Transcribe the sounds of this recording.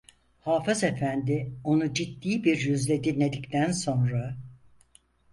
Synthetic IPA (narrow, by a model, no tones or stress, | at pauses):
haːfɯze̞fænd̪ɪo̞nud͡ʒit̪ːiːbiɾjyzlʲed̪inlʲe̞d̪ict̪ʰænso̞nɾa